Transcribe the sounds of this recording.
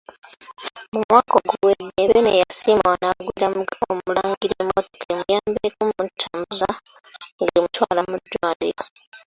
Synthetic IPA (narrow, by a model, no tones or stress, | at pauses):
mumwaːkoɡuwedːeβenejasiːmwanaɡwiːɾaomulaːŋɡiɾemoto̥kʰemujaːmbekumutʰːamuza | ŋɡeimutwaːlamud̪ːwaːdeo